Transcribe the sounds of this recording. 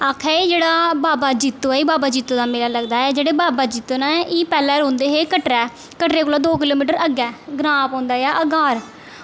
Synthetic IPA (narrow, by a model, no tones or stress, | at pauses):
aːkʰɛːeːd͡ʒeːɽaːbaːbaːd͡ʒit̪ːoːɛːiːbaːbaːd͡ʒiːt̪ːoːd̪aːmeːlaːləɡd̪aːɛːd͡ʒeːɽeːbaːbaːd͡ʒiːt̪oːnaːɛʔiːpɛːlɛːɾõːnd̪eːɦeːkəʈɾɛː | kəʈɾeːkoːlaːd̪oːk̬ɪloːmiːʈəɾəɡɛːɡɾaːpõːnd̪aːjaːʔəɡaːɾ